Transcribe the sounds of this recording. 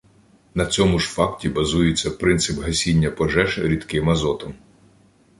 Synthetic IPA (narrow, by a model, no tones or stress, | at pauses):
nɐt͡sʲɔmʊʒfɑktʲibɐzujet͡sʲːɐpɾɪnt̪sɪpɦɐsʲinʲːɐpɔʒɛʃɾʲid̪kɪmɐzɔt̪ɔm